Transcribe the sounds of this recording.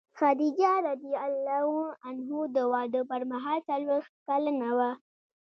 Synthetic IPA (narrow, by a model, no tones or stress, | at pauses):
xad̪id͡ʒaɾad̪ijaalːahuanɦud̪əwɑɖ̪əpəɾmaɦɑlt͡salwext̪̚kalanawa